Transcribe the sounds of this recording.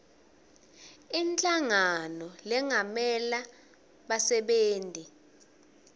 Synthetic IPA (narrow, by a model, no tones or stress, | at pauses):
int͡ɬʼaŋanɔlɛŋamɛla | ɓasɛɓeːntʼi